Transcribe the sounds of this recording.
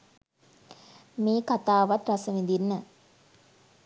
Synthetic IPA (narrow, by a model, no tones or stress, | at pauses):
meːkat̪aːʋɐt̪ɾɐsəʋind̪inːə